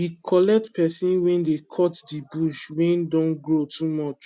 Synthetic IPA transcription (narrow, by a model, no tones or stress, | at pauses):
jikʰɔlɛk̚tpɛsĩnwɛ̃ndekʰɔtdibuʃwɛ̃ndɔ̃nɡɹotʰumɔt͡ʃ